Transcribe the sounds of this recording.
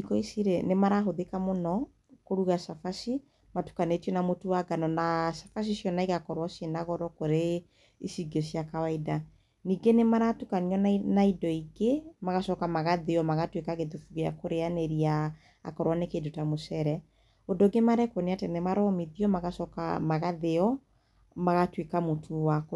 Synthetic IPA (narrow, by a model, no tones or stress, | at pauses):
ikɔisiɾenemaɾaɦoðekamonɔ | koɾuɣasafasi | matu̥kanetɔnamotuwaɡanɔnasḁfas̬isjɔnaiɣakɔɾwasjenaɣɔɾɔkoɾe | isiɡesjakawaida | niːɡenemaɾatukaniɔnnaidɔiɣemaɣaʃɔkamaɣaðeɔmaɣatwekaɣeðufuɣea̰koɾeaneɾia̰ː | kɔɾwanekedotamosɛɾɛ | odoɡemaɾɛkwɔneatɛnɛmaɾɔmiðiɔmaɣasɔka̰maɣaðeɔ | maɣatwekamotʰuwak